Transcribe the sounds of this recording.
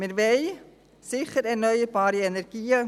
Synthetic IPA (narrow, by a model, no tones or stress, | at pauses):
mɪɾvɛl | sɪχəɾɛʁnœʏəɾbɑːɾiɛnɛɾɡ̥iːə